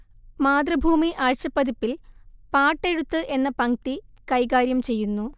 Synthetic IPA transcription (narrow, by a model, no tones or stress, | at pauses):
maːd̪rɐbʱuːmiʔaːɻt͡ɕɐpːɐd̪ipːilpaːʈːe̞ɻut̪ːɨʔe̞nːɐpɐŋt̪ikɐjkaːɾjɐmt͡ɕe̞jːunːu